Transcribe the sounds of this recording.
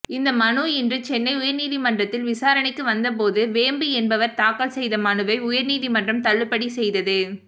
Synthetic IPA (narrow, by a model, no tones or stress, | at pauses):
ɪnd̪ɐmɐnuːɛndrɯt͡ʃɛnːɐɪʊjɐɾniːðimɐndrɐt̪ːɪlʋɪsaːɾɐɳɪkːɯʋɐnd̪ɐp̬oːðɯʋeːmbɯɛnbɐʋɐɾt̪aːkːɐɭsɛjðɐmɐɳɯʋɐɪʊjɐɾniːðimɐndrɐmt̪ɐɭːɯpːɐɽisɛjðɐðɯ